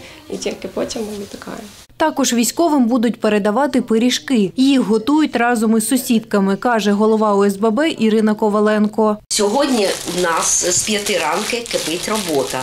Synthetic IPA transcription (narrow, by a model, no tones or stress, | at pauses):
ḭtʲilʲkɪpɔtʲimnɐmɪt̪ɐ̥kɑ̰jɛ | t̪ɑkɔʒʋʲijsʲkɔʋɪmbud̪ʊt̚ʲpeɾed̪ɐʋɑt̪ɪpɪɾʲiʃkɪjjixɦɔt̪ujʊtʲrɑzɔmɪsʊsʲid̪kɐmɪkɑʒɛɦɔlˠɔʋɑʊɛzbɛbɛʔiɾɪnɐkɔʋɐlˠɛnkɔsʲɔɦɔdʲnʲiwnɑsspʲjɐt̪ɪɾɑnkɪkɪpɪtʲrɔbɔt̪ɐ